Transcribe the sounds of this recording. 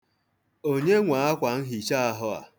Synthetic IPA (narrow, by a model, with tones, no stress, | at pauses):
o˦ɲe˦ŋʷa˨˦a˦kʷa˨n̩˦ɦi˨t͡ʃa˦a˦ɦʊ˦a̰˨